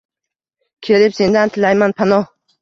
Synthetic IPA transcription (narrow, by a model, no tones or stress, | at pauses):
kʲʰe̞lɪpse̞nd̪ant̪ʰɪlajmanpʰanɒ